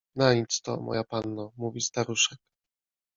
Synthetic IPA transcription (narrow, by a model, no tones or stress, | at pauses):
naɲit̪st̪ɔ̰mɔ̰japanːɔmuvʲist̪aɾuʂɛk̚